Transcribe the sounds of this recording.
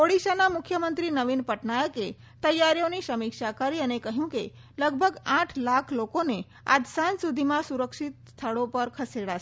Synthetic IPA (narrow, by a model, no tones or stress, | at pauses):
oɽiʃanamʊkʰjəmənt̪ɾinəʋinpəʈnajəke | t̪əjːaɾijõniʃəmikʃakaɾiənekəɦjũke | ləɡ̚bʱəɡãʈʰlakʰlokone | a̰d̪sansud̪ʱimãsuɾəkʃit̪̚st̪ʰəɽopəɾkʰəseɽa